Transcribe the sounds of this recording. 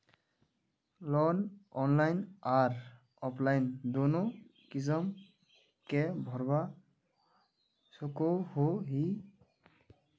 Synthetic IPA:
lɔnɔnlajnaɹ | ɔplajndonukizɔm | kɛbʱɔɹba | sokohoɦi

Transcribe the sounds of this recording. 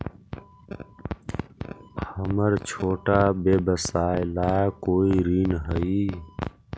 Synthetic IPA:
həməɾt͡ʃʰoːʈaːbeːbəsaːjlaːkoːiɾiːnɦəiː

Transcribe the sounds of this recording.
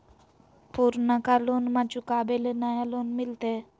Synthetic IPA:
puɾnəkalonmat͡ʃukaːbelenajalonmɪlt̪e

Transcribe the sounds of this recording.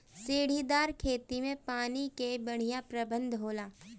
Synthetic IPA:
seːɽ̤id̪aːɾkʰeːt̪imẽpaːnikebɐɽ̤ijãpɾɐbə̃nd̪ʱɦoːlaː

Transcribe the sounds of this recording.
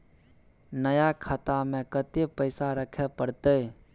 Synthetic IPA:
nəjakʰat̪amẽkət̪epəɪsaɾəkʰepəɽt̪e

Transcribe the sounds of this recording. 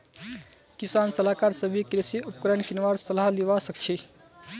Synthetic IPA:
kisaːnsəlakaːɾsəbʱikɾisiupkɾenkinʋaːɾsəlaɦliʋasək̚t͡ʃʰi

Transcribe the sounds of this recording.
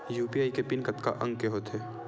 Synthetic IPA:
juːpiaːikepɪnkət̪ka̰ʔə̃ŋɡ̚keɦoːt̪ɦɛː

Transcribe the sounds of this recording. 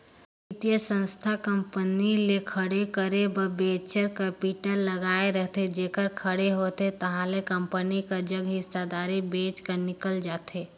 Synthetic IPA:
ɪt̪ijəsə̃nst̪ʰakə̃mpənilekʰəɽekəɾebəbeːt͡ʃəɾkɛpɪʈəlːɐɡaːeɾəɦt̪ed͡ʒeːkəɾkʰəɽeɦoːt̪et̪ɐɦãlekə̃mpənikad͡ʒɐɡɦɪsad̪aːɾibeːt͡ʃkəɾnɪkəld͡ʒaːt̪eː

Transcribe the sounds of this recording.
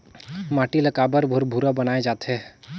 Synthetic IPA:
maːʈilɐkaːbəɾbʱʊɾbʱuɾabɐnaːed͡ʒaːt̪ɦɛ

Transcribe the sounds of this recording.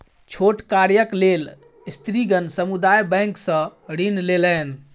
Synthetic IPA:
t͡ʃʰoʈkaɾjəklel | st̪ɾiɡənsəmud̪ajbɛ̃ŋksə̃ɽinlelən

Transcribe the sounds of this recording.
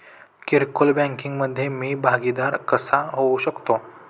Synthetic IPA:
kiɾkolbãŋkiŋɡməd̪ʱːjemiːbʱaɡid̪aɾkəsaɦouɕəkt̪o

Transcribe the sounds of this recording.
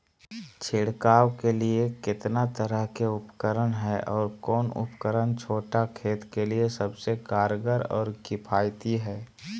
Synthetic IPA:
t͡ʃʰɪɽkaːwkeliekɪt̪nat̪əɾəɦkeʊpkəɾəɽɦɛːʔɔːɾkɔːnʊ̰pkəɾənt͡ʃʰoːʈakʰeːt̪keliesəbsekaːɾɡəɾɔ̰ːɾɡɪpʰaːjt̪iɦɛː

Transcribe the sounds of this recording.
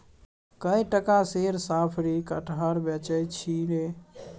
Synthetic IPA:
kəjʈəkaseɾsapʰɾikəʈʰɦəɾbjət͡ʃəjt͡ʃʰine

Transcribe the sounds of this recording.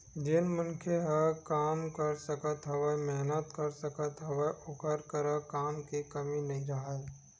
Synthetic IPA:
d͡ʒɪnmənkʰeɦəkaːmkəɾsəkət̪ɦɐʋəmɛɦnət̪kəɾsəkət̪ɦɐʋəʔʊkəɾkəɾakaːmkikɐminɐɦĩɾɐɦae

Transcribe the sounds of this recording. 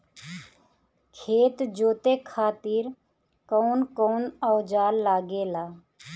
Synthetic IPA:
kʰeːt̪d͡ʒoːt̪eːkʰaːt̪ɪːɾ | koːnkoːnɔːd͡ʒaːlːaːɡeːlaː

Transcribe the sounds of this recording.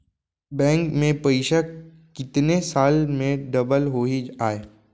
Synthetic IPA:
bɛ̃ːŋkmẽpəɪʃək | kɪt̪nesaːlmẽɖɐbəlɦoiaːeː

